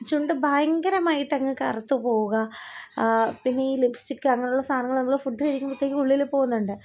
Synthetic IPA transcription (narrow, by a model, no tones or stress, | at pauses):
t͡ɕːuɳɖɨbʱaːjɐŋɡɐɾɐmaːjiʈːɐŋːekɐrɐt̪ːupo̞ːɣuɣɐ | pinːe̞iːlibsʈikːɨɐŋːɐneuɭːɐst̪ʰaːnɐŋːɐɭnɐmːɐɭfuʈːɨɐɻikʲːumpɐt̪ːekːɨuɭːilepːo̞ːɣunːuɳɖɨ